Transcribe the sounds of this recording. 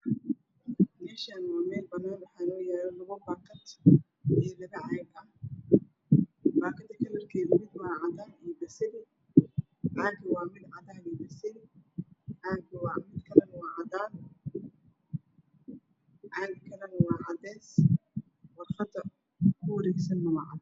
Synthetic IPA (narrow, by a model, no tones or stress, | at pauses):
mɛːʃaːnɔmɛːlbɐnːaːnwɑħɑːɪnɔːjɛːɾɛlɐɣʊbaːkʰɐt̪ʰ | ɛːlɐɣɐʕɑːɡɐ | baːkʰɐnt̪ʰɐkʰɐlɐrkʰɛːðɐmɪd̪wɑːʕɑd̪aːnibɐsɪnɪ | ʕaːɡʰɐwɑːmɪd̪ʕɑd̪aːnɛːbɐsɪn | ʕaːɡɐwɑːmɪd̪kʰɐlɐnɐwɑːʕɑðaːn | ʕaːɡkʰɐlɐnɐwɑːʕɑd̪ɛːs | wɑrfɐd̪ɐ | kʰʊwɐɾɛːɡsɐnːɐmɐʕ̰d